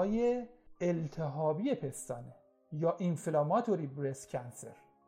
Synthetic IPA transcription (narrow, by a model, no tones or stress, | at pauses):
jeelt̪ʰeɦɒːbijepʰest̪ɒːne | jɒːʔinfilɒmɒt̪ʰoɾibɾescʰænseɾ